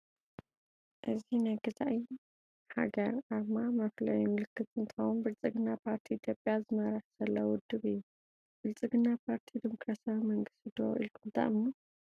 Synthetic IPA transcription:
ʔɨzinaɡɨt̪ʰʼaʔi | ħa̰ɡɐɾaɾmamɐflɐ̰jumɨlɨkːɨt̪ɨnt̪ʰɨxɐwunbɨlt͡sʼɨɡɨnːapʰaɾt̪ʰiit̪ʰjo̞pʼjazɨmɐɾaħz̥ɐlːɐwʊd̪ːɨβɨjːu | bɨlt͡sʼɨɡɨnːapʰaɾt̪ʰid̪imokɾasiawimɐŋɡɨst̪ʰid̪o̰ʔḭlkɨd̪a̰ʔmnu

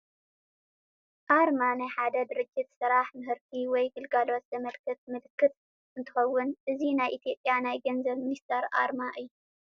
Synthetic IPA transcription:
ʔaɾmanajħad̪ɐd̪ɨɾɨd͡ʒʼɨt̪sɨɾaħmɨhɨɾt̪ʰiwɔjɡɨlɡalo̞t̪zɐmɐlkʰɨt̪̚mɨlɨkʰːɨt̪ʼ | ʔɨnt̪ʰɨxɐwːʊnʔɨzinajʔit̪ʰijo̞pʼjanajɡɐnzɐβmɨnist̪ʰɐɾʔa̰ɾmaʔɨjːu

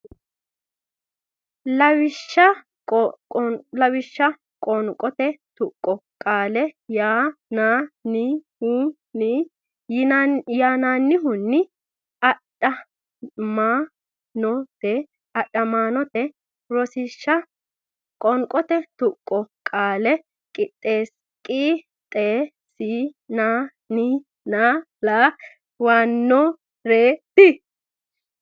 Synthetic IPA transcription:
lɐwɪʃːɐ | lɐwɪʃːɐ | kʼɔŋkʼɔt̪ɛt̪ʊkʼːɔkʼaːlɛjaːnaːnɪhu | ni | jɪjaːnaːnːɪɦʊnːɪ | ɐɗɐ | maː | nɔt̪ɛ | ɐɗːɐmaːnɔt̪ɛ | ɾɔsɪʃːɐ | kʼɔŋkʼɔt̪ɛt̪ʊkʼːɔkʼaːlɛ | kʼɪt̪ʼːe̞ːs | kʼiː | t̪ʼeː | siːnaː | nɪ | naː | laː | waːnːɔ | ɾeːt̪ɪ

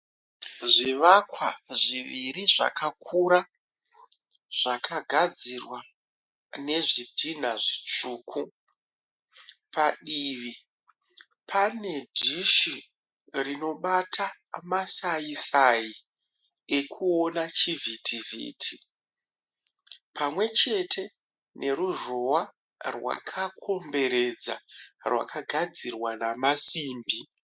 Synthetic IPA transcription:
ʐiʋakwa̰ʐiʋiriʐa̰kʰakʰuɾa | ʐ̥akʰaɡʱad͡zirwa | ne̞ʐidʱin̤aʐit͡ʂuːkʰu | paɗiːʋi | pʰane̞dʱiʃi | rino̞ɓatʰa | masaisaji | ekʰuo̞nat͡ʃivʱitʰivʱḭːtʰi | pamwe̞t͡ʃe̞tʰe̞ | ne̞ɾuʐo̞wa | rwa̰kʰakʰo̞mbe̞ɾe̞d͡za̰rwa̰kʰaɡʱad͡zirwanamasiːmbi

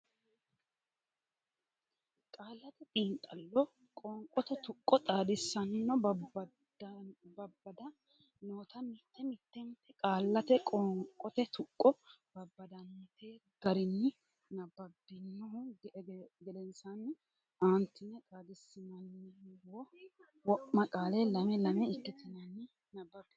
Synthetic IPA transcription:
kʼaːlːɐt̪ɛt̪ʼiːnt̪ʼɐlːɔ | kʼɔŋkʼːɔt̪ɛt̪ʊkʼːɔt̪ʼaːd̪ɪsːɐnːɔ | bɐbːɐd̪ɐ | noːt̪ɐmɪt̪ːɛmɪt̪ːɛnt̪ːɛkʼaːlːɐt̪ɛkʼɔŋkʼɔt̪ɛt̪ʊkʼːɔb̥ɐbːɐd̪ɐnːɐt̪eːɡɐɾɪnːɪ | nɐbːɐbːɪnːɔhʊ | ɡɛd̪ɛnsan | aːnt̪ːɪnɛt̪ʼaːd̪ɪsːɪnɐnːɪɔ | wɔʔːɐkʼaːlɛlɐmɛlɐmɛɪkːɪt̪ɪnɐnːɪ | nɐbːɐbːɛ

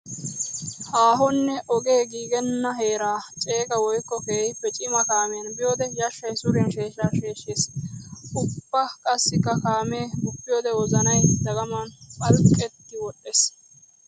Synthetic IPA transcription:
haːɦɔnːɛʔɔɡe̞ːɡiːɡɛnːɐɦeːɾaːt͡ʃʼe̞ːkɐwɔjkːɔkeːjpːɛt͡ʃʼɪmɐkaːmɛjɐnbɪjoːd̪ɛjɐʃːɐjsʊɾɛnʃe̞ːʃaːʃe̞ːʃeːs | ʊbːɐkʼɐsːɪkːɐkaːmeːbʊpːɪjoːd̪ɛwɔzɐnɐjd̪ɐɡɐmɐnpʼɐlkʼːɛt̪ːɪwɔɗːeːs

